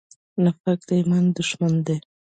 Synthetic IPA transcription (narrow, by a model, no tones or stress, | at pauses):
nafak̚d̪ajmand̪ʊʃmand̪e